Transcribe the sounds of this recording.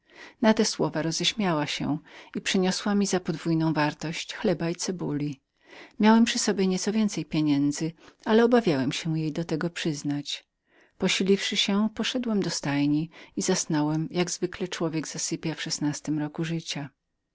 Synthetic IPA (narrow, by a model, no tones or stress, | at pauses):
nat̪ɛswɔvaɾɔzɛɕmʲjawaɕɛ̰ipʂɘɲɔswamʲizapɔd̪vujnɔ̃w̃vaɾt̪ɔɕt͡ɕxlɛbait̪sɛbulʲi | mʲjawɛmpʂɘsɔbʲjɛɲɛt̪sɔvʲjɛnt̪sɛjpʲjeɲɛnd̪zɘalɛɔbavʲjawɛmɕɛjejd̪ɔt̪ɛɡɔpʂɘznat͡ɕ | pɔɕilʲifʂɘɕɛpɔʂɛd̪wɛmd̪ɔst̪ajɲiizasnɔwɛmjaɡzvɘklɛt͡ʂwɔvʲjɛɡz̥asɘpʲjafʂɛsnast̪ɘmɾɔkuʐɘt͡ɕa